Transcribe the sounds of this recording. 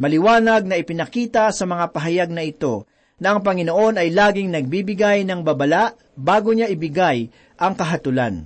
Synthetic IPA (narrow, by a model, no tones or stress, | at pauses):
mɐlɪwaːnɐɡ̚nɐʔɪpɪnɐkiːt̪ɐsɐmɐŋapɐɦɐjaɡ̚nɐɪt̪o̞ | nɐʔɐŋpɐŋɪno̞ʔo̞nɐjlaːɡɪŋnɐɡ̚biːbɪɡajnɐŋbɐbɐlaʔ | baːɡoɲaʔɪbɪɡaj | ʔɐŋkɐɦɐt̪ʊla̰n